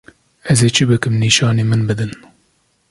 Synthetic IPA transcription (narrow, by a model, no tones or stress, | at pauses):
ɛzeːt͡ʃʰɨbɨkɨmniːʃɑːneːmɨnbɨd̪ɨn